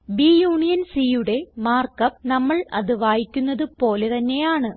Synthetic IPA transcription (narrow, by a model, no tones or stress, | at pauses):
bijuːɳijɐnsiːjuɽe̞maːrkɐp̚nɐmːɐɭɐ̰ðɨʋaːjikʲːunːɐðɨpo̞ːle̞t̪ɐnːe̞jaːɳɨ